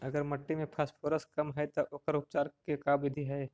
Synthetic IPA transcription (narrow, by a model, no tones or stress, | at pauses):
ɐɡəɾmɐʈːimẽpʰaːspʰoːɾəskɐmɦɛt̪oʔoːkəɾʊp̚t͡ʃaːɾkekaːbɪd̪ʱiɦɛ